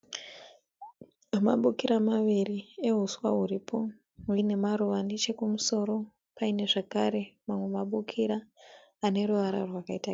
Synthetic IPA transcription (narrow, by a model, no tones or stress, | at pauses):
ma̰ɓukiɾamaʋirie̞ɦuswaɦuɾipʰo̞ | ine̞maɾuʋandet͡ʃe̞kumuso̞ɾo̞ | paine̞ʐakaɾe̞mamwe̞maɓukʰiɾaː | ne̞ɾuʋaɾa̰rwakaita